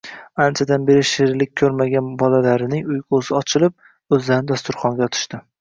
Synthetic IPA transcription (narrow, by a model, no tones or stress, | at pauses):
ant͡ʃʰad̪anbe̞ɾɪʃeɾlɪk̚ʲʰɵɾmaɡʲanbɒlalaɾɪnɪŋʊjqʰozɪɒt͡ʃʰɪlˠɪp̚ | ɵzlaɾnɪd̪ast̪ʊɾχɒŋɡʲaɒt̪ʰɪ̥ʃt̪ɪ